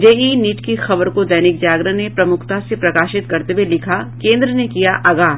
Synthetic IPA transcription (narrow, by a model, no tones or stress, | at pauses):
d͡ʒeːiniʈkixɐbəɾkod̪ɐːnɪk̚d͡ʒaːɡɾənepɾɐmʊkʰt̪asepɾɐkaːʃɪt̪kɐɾt̪ewelɪkʰakẽːnd̪ɾənekijaʔɐɡaː